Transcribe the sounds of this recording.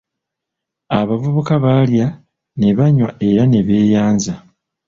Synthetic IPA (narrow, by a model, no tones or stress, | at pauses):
aβavuβukaβalja | ne̞βaɲwae̞ɾane̞βe̞ːjaːnza